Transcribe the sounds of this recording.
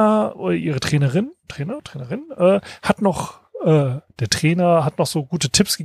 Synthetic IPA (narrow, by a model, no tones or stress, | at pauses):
ɐʔoːɐʔiːʁətʁ̥ɛːnɐʁɪntʁ̥eːnɐtʁ̥eːnɐʁɪnʔɛːhatnɔχ | ʔɛːd̥eːɐtʁ̥ɛːnɐɦatnɔχz̥oːɡuːtətʰɪpsɡ̥ə